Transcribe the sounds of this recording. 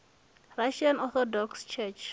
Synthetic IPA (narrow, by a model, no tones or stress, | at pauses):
ɹaʃãnɔθɔdɔkst͡ʃʰɛt͡ʃ